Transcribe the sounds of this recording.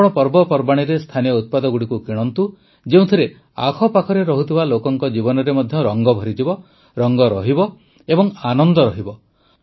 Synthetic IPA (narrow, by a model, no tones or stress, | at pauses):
ɽ̃ɔpɔɾbɔpɔɾbaɽ̃iɾest̪ʰanijɔut̪̚pad̪ɔɡuɽikukiɽ̃ɔnt̪u | d͡ʒeũt̪ʰiɾe | a̰kʰɔpakʰɔɾeɾɔɦut̪ʰibalokɔŋkɔd͡ʒibɔnɔɾemɔd̪ʱjɔɾɔŋɡɔbʱɔɾid͡ʒibɔ | ɾɔŋɡɔɾɔɦibɔ | ebɔŋanɔnd̪ɔɾɔɦibɔ